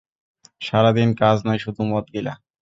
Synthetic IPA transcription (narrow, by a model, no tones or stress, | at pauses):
ʃaɾad̪inkaznajʃud̪ʱumɔt̪̚ɡila̰